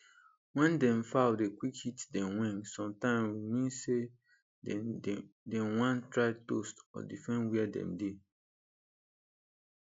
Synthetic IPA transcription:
wɛ̃ndɛ̃mfaʊdekwikhitdɛ̃mwɛ̃nsɔ̃mtãɪ̃mwimĩnse | dɛ̃nwãntɹaɪtostɔ̰difɹɛ̃nwɛadɛ̰̃mde

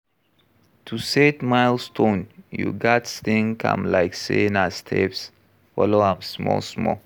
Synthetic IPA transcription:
tʰusetmaɪlstʰõnjṵɡatstɪ̃ŋkʰã̰mlaɪksenastʰɛ̰ps | fɔloãmsmɔ̰smɔ̰

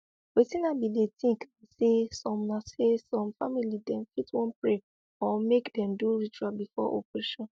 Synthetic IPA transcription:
wetĩnabidetĩŋksesɔ̃mnasesɔ̃mfamilidɛ̃mfitwɔ̃npɹe | ɔmekdɛ̃mduɹit͡ʃuɹabifɔ̰ʔo̰pɹɛʃɔ̃n

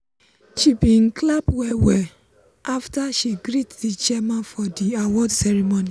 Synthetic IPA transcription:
ʃibin̩klabwɛwɛ | aftaʃiɡɾitdit͡ʃɛmãnfɔdiawɔdsɛɹimoni

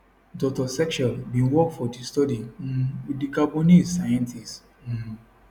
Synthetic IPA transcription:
dɔk̚tɔsɛkt͡ʃalbĩnwɔk̚fɔdistɔdin̩dikabonissajɛ̃ntʰist̩

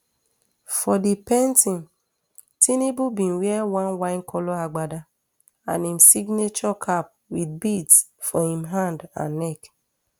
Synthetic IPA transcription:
fɔdipɛntĩn | tʰinebubĩn̩wiɛwãnwãɪŋ̩kʰɔloaɡ͡bada | ã̰nim̩siɡnet͡ʃɔkʰap̚wid̚bidsfɔhĩmɦandã̰nːɛk

